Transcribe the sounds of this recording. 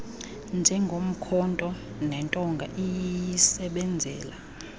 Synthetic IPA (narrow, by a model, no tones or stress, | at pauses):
nd͡ʒʱɛŋɡʱom̩kʰɔntʼɔ | nɛntʼɔŋɡʱaʔijisɛɓɛnd͡zʱɛːla